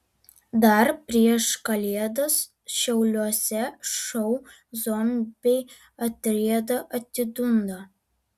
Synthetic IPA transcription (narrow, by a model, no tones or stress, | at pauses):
d̪ɐɾpʲɾʲiɛʃkɐlʲiɛd̪ɐs | ʃʲɛʊlʲuɔsʲɛʃɔʊ | zɔnbʲeɪ | ɐt̪ʲɾʲiɛd̪ɐʔɐt̪ʲːɪd̪ʊnd̪ɐ